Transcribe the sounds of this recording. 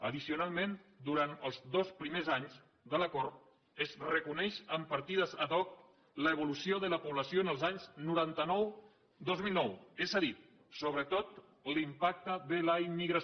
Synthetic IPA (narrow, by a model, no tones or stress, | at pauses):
əðisiunalˠmend̪uɾant̪əlˠzd̪ospɾimezaɲz | ðələkɔɾt̪ | əzrəkunɛʃəmpəɾt̪iðəzəðɔk̚ | ləːβ̞ulusioðələpuβləsioənəlˠzaɲznuɾant̪ənɔw | d̪ozmilˠnɔwezəðit̪̚ | soβɾət̪ot̪ | limpak̚t̪əðələimːiɣɾə